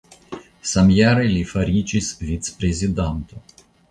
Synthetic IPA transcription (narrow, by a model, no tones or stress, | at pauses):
samjaɾɨlʲifɐɾʲit͡ʃisvʲit̪spɾʲezʲid̪ant̪o